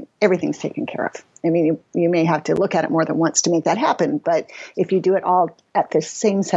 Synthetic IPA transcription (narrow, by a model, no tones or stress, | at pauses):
ɛvɹiθɪ̰̃ŋz̥tʰeɪkɨ̃n̩kʰɛ̰ɹʌ̰v̥aɪmĩnjɨjɨmeɪɦæftʰɨlʊkɨɾɨ̰t̚mɔɹðɨ̃nwʌ̃ntstʰɨmeɪk̚ðɨt̚ɦæpɨ̃nb̥ʌɾɨfjɨdɨːɾʔɔlˠ | ɨt̪̚ðɨssẽɪ̃msɛ